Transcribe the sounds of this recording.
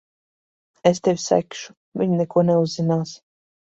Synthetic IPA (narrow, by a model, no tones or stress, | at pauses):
est̪ewʲsæ̰kʃu̥ | vʲiɲnɛkuɔneuzːinaːs